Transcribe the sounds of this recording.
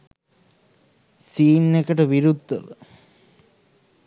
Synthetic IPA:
siːnːekəʈəʋiɾud̪ʱːə̰ʋə

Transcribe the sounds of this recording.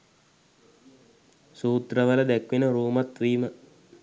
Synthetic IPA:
suːt̪rəʋələd̪ækʋenəɾuːmat̪ʋiːmə

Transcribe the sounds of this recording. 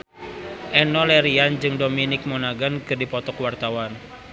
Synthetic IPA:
ʔɛnɔlɛɾiand͡ʒɨŋdominɪk̚mɔnaɡankɨrdipɔt̪ɔkwart̪awan

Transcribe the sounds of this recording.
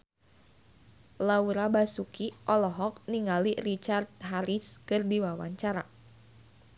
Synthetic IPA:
lauɾabasukiʔɔlɔɦɔk̚niŋalirit͡ʃart̪̚ɦaɾiskərdiwawa̰ɲt͡ʃaɾa

